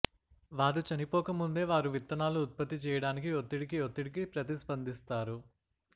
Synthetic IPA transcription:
ʋaːɾut͡ʃɐnipɔːkɐmund̪e̞ːʋaːɾuʋit̪ːɐnaːluːt̪̚pɐt̪ːit͡ʃɛːjɐɽaːnikiot̪ːiɽikiot̪ːiɽikipɾɐt̪ispɐnd̪ist̪aːɾu

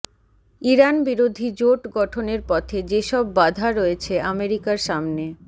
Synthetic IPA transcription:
iɾanbiɾod̪ʱid͡ʑoʈɡɔʈʰoneɾpɔt̪ʰed͡ʑeʃɔbːad̪ʱaɾɔet͡ɕʰeʔameɾikaɾʃamne

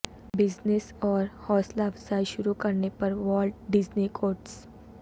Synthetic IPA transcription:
bɪd͡ʒnesɔːɾhɔːslaʋsajʃʊɾukɐɾnepɐɾʋɔːlɖɖɪd͡ʒnikʰoːɾʈs

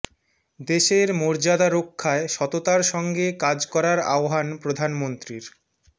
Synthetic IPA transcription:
d̪eʃeɾmoɾd͡ʑad̪aɾokʰːaeʃɔt̪ot̪aɾʃɔŋɡekad͡ʑkɔɾaɾa̰oɦanpɾod̪ʱanmont̪ɾiɾ

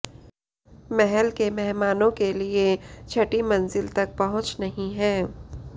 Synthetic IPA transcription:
mɛɦɛlkemɛɦmaːnõkeliet͡ʃʰɐʈimɐnzɪlt̪ɐk̚pɐɦʊ̃t͡ʃnɐɦĩɦɛ̃ː

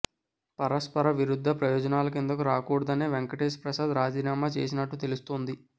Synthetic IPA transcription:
pɐɾɐspɐɾɐʋiɾud̪ʱːɐpɾɐjɔːd͡ʒɐnaːlɐk̬end̪ɐkuɾaːkuːɽɐd̪ɐneːʋeŋkɐʈeːspɾɐsaːd̪ɾaːd͡ʒiːnaːmaːt͡ʃe̞ːs̬inɐʈːut̪e̞lust̪oːnd̪i

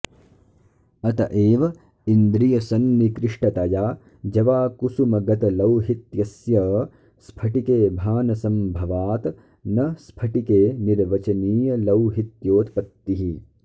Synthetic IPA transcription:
ɐt̪ɐʔeːʋɐ | ind̪ɾijɐsɐnːikɾɪʂʈɐt̪ɐjaː | d͡ʒɐʋaːkusumɐɡɐt̪ɐlɐwɦit̪jɐsjɐ | spʰɐʈikeːbʱaːnɐsɐmbʱɐʋaːt̪ | nɐspʰɐʈikeːniɾʋɐt͡ʃɐniːjɐlɐwɦit̪joːt̪pɐt̪ːiɦi

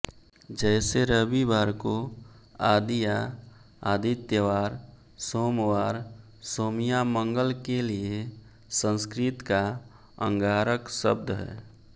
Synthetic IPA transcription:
d͡ʒɛːseɾəbibaːɾko | aːd̪ija | aːd̪it̪jəʋaːɾ | soːmwaːɾ | soːmijamə̃ŋɡəlkelie | sə̃nskɾɪt̪ka | ə̰̃ŋɡaːɾəksəb̚d̪ʱɦɛ̰ː

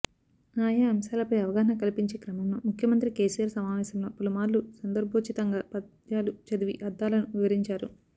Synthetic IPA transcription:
aːjaːɐmɐsaːlɐpɐjɐʋɐɡaːɦɐɳɐkɐlipiɲt͡ʃeːkɾɐmɐmlomukʰjɐmɐnt̪ɾike̞ːsijaːɾsɐmaːʋɛːsɐmlo̞ːpːulɐmaːɾlusɐnd̪ɐɾbʱoːt͡ʃit̪ɐŋɡapɐd̪ | jaːlut͡ʃɐd̪uʋiʔɐd̪ːaːlɐnuʋiʋɐɾiɲt͡ʃaːɾu

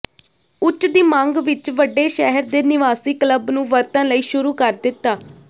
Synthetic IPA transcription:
ʊt͡ʃd̪iːmãŋɡʋɪt͡ʃʋəɖːeːʃɛɦəɾd̪eːnɪʋaːsiːkləbnũːʋəɾt̪ãːləiːʃʊɾuːkəɾd̪ɪt̪ːaː

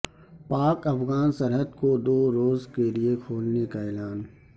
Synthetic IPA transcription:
paːkɐfɣaːnsɐɾɦəd̪kod̪oːɾoːzkeliekʰoːlnekaɛːlaːn

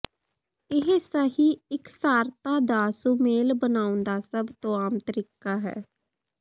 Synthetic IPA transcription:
ɪɦsəɦiːɪksaːɾt̪aːd̪aːsumeːlbənaːʊ̃nd̪aːsəbt̪õːaːmt̪əɾɪkːaːɦɛ̰ː

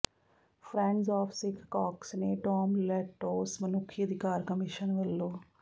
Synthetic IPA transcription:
pʰɾẽɳɖzaːfʰsikʰkaːksneːʈɔːmleʈːoːsmɐnukʰjɐd̪ʱikaːɾkɐmiʃənʋɐlːoː

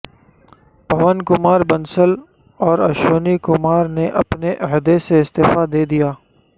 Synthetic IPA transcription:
pɐʋənkʊmaːɾbɐnsəl | ɔːɾɐʃoːnikʊmaːɾneʔɐpneʔɐɦd̪eseɪst̪eːfad̪eːd̪ijaː

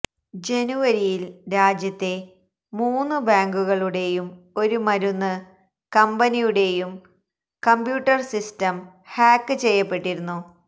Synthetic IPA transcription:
d͡ʑe̞nuʋɐɾijilɾaːd͡ʑjɐt̪ːe̞ | muːnːɨbaːŋɡuɣɐɭuɽe̞jum | o̞ɾumɐɾunːɨ | kɐmbɐnijuɽe̞jum | kɐmbjuːʈːɐrsistɐm | haːkːɨt͡ɕe̞jːɐpːe̞ʈːiɾunːu

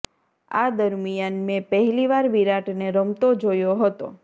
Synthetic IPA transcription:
a̰d̪əɾmijanmẽpəɦliʋaɾʋiɾaʈneɾəmt̪od͡ʒojoɦət̪o̰

